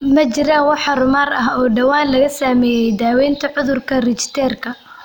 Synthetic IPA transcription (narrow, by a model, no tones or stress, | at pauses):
mɐt͡ʃɪɾaːnwɑħɑrʊmaːɾɐɦɔːɖɐwaːnlɐɣɐsaːmɛːjɛjd̪aːwɛːnt̪ʰɐʕʊðʊrkʰɐrɪt͡ʃɪ̥t̪ʰɛːrkʰɐ